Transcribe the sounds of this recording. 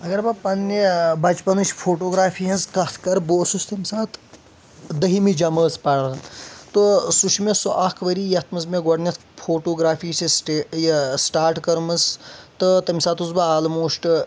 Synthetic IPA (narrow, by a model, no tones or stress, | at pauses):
ɐɡɐɾbɐpɐnːibɐt͡ʃpɐnuʃʲpʰoːʈoːɡɾaːfʰiɦɐnzkɐt̪ʰkɐɾboːsust̪ɐmʲsaːt̪ʰ | d̪ɐɦimid͡ʒɐməːspɐɽɐnt̪osuʃʰmesoʔakʰʋɐɾijɐt̪ʰmɐz̬meɡɐɽnʲɐt̪ʰpʰoːʈoːɡɾaːpʰiːsisʈesʈaːɾʈkɐɾmɐst̪ɨt̪ɐmʲsaːt̪uzbɐaːlmoːʂʈɨ